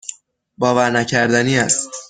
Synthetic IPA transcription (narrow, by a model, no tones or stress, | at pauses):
bɒːvæɾnæcʰæɾd̪æniːæstt̪